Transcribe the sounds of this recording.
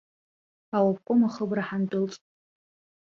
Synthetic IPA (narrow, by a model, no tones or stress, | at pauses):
awap̚kʷʼomaχəbraħandʊlt͡sʼ